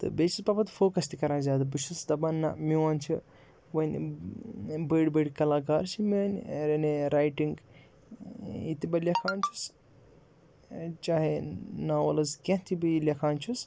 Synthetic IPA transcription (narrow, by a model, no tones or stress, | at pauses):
t̪ɨ̰bet͡ʃʰispɐpɐt̪foːkɐst̪ʰikɐɾãːzʲaːd̪ɐbɨt͡ʃʰusd̪ɐbɐnːɐ̰miwaːnt͡ʃʰi | wɐnʲ | bəːɖbəɽʲkɐlaːkaːɾt͡ʃʰiminʲɾɐneɾaːjʈiŋɡ | it̪ibɐlʲɐkʰaːnt͡ʃʰus | t͡ʃaːɦenaːwɐlɐzkʲɐ̃t̪ʰibiilʲɐkʰaːnt͡ʃʰus